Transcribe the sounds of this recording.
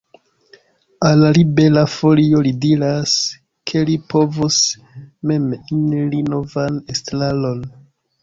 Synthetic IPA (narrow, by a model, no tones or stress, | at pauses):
alaɾibe̞lafo̞lio̞lidiɾas | kʰe̞lipo̞vus | me̞minlino̞vanestlalo̞n